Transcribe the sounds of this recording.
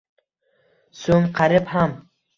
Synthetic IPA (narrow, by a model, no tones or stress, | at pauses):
sɵŋqʰaɾɪpham